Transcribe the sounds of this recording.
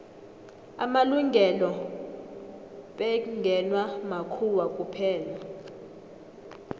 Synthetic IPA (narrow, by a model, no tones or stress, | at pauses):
a̰maluŋʱɛlɔ | ɓɛŋɡʱɛnwamakʰuwakʼupʰɛːla